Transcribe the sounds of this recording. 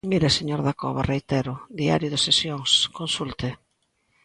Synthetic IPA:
miɾeseɲoɾðakɔ̰βarejt̪eɾʊd̪ia̰ɾjʊðesesjoŋskonsult̪ɪ

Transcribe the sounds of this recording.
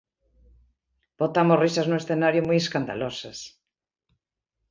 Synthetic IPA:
b̥ot̪amorisɐznʊesθenaɾjʊmujeskand̪a̰losɐs

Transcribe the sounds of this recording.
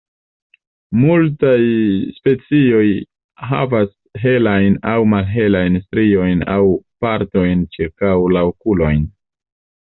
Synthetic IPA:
multajspe̞t͡sio̞j | ɦa̰vas | ɦe̞lajnawmalɦe̞lajnstɾio̞jna̰wpaɾto̞jnt͡ʃiɾkawlaokulo̞jn

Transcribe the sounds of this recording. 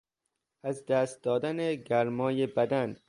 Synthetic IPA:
æzd̪æːst̪̚d̪ɒːd̪æneɡæɾmɒːjebæd̪æn

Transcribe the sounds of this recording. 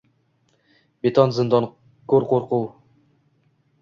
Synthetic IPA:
bet̪ʰɑnzɨnd̪ɑn | koɾqoɾquw

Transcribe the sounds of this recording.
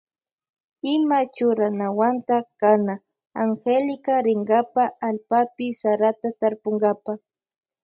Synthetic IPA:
ɪmat͡ʃʊɾanawant̪akana | aŋxelɪkaɾɪŋɡapaːlpapɪsaɾat̪at̪aɾpoŋɡapa

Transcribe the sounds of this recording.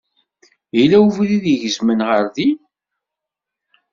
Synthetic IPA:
ilːæuvliðiʝəzmənʁəɾði

